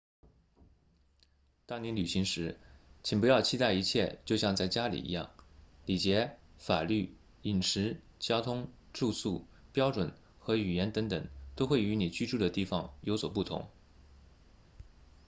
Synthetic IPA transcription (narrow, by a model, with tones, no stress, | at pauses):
t̪ɑ˥ŋni˧˥ly˨˩ɕi˧˥ŋʂɻ̩˧˥t͡ɕʰi˨˩ŋpu˧˥jɑ˥˧ʊt͡ɕʰi˥t̪a˥˩ɪi˧˥t͡ɕʰjɛ˥˧t͡ɕjo˥˧ʊɕjɑ˥˧ŋt͡sa˥˩ɪt͡ɕja˥lḭ˨˩ḭ˧˥jɑ̰˥˩ŋli˨˩t͡ɕjɛ˧˥fa˨˩ly˥˩ | i˨˩nʂɻ̩˧˥ | t͡ɕjɑ˥ʊt̪ʰʊ˥ŋ | ʈ͡ʂu˥˧su˥˩ | pjɑ˥ʊʈ͡ʂwə˨˩˦n | xɤ˧˥y˨˩jɛ˧˥nt̪ɤ˧˥ŋt̪ɤ˨˩˦ŋt̪o˥ʊxwe˥˩ɪy˧˥ni˨˩t͡ɕy˥ʈ͡ʂu˥˩d̪ə˩t̪i˥˩fɑ˨˩ŋjo˧˥ʊswɔ˨˩pu˥˩t̪ʰʊ̰˧˥ŋ